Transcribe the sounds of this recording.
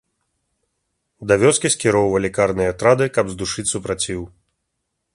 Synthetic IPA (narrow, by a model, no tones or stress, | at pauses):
d̪ɐvʲɔskʲiskʲiɾɔwvɐlʲikarnɨjɐt̪ɾad̪ɨkɐbzd̪uʂɨt͡sʲsupɾat͡sʲiw